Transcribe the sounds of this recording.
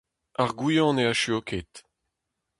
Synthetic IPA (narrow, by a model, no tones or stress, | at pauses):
aʁɡujɑ̃neaʃyokʰet̪